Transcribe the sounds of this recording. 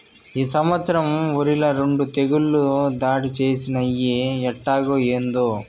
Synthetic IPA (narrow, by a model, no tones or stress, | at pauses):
iːsɐmʋɐt̪sɐɾɐmoɾilɐɾeɳɖut̪eɡuɭːud̪aːɽit͡ʃeːsinɐjeɛʈːaːɡojeːnd̪o